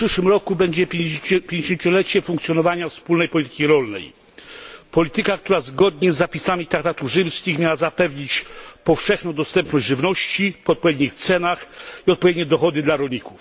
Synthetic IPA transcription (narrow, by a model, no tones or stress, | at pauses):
pʂɘʂwɘmɾɔkubɛɲd͡ʑɛpʲjeɲd͡ʑeɕeɲt͡ɕɔlɛt͡ɕɛfuŋkt̪sʲjɔnɔvaɲafspulnɛjpɔlʲit̪ɘ̥kʲiɾɔlnɛ̰j | pɔlʲit̪ɘkakt̪uɾazɡɔd̪ɲɛzːapʲisamʲit̪ɾak̚t̪at̪uvʐɘwskʲixmʲjawazapɛvɲit͡ɕpɔfʂɛxnɔ̃w̃d̪ɔst̪ɛmpnɔʑd͡ʑʲʐɘvnɔɕt͡ɕipɔɔt̪̚pɔvʲjed̪ɲixt̪sɛnaxiɔt̪̚pɔvʲjeɛd̪ɲɛd̪ɔxɔd̪ɘd̪laɾɔlʲɲikuf